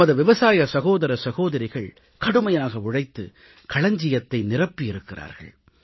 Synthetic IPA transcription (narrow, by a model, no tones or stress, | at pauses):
ɐðɯʋɪʋɐsaːjɐsɐɣoːðɐɾɐsɐɣoːðɐɾɪɣɐɭ | kɐɽɯmɐjaːɣɐʊɽɐɪt̪ːɯ̰ | kɐɭɐɲd͡ʒɪjɐt̪ːɐɪnɪrɐpːijɪɾɯkːɪra̰ːɾɣɐ̰ɭ